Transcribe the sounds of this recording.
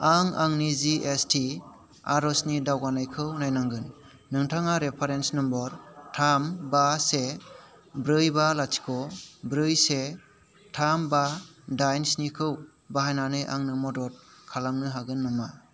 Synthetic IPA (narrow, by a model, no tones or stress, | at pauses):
aŋaŋniziʔestʰi | aɾɔsnidawɡanajkʰɯwnajnaŋɡɯnː | ɯŋtʰaŋaɾepʰaɾensnɔmbɔɾtʰambase | bɾɯjbalat͡ʃʰi̥kʰɔbɾɯjse | tʰambadajnsnikʰɯw | baɦajnanɯjʔa̰ŋnɯmɔdɔt̚kʰalaŋnɯɦaɡɯnːɔma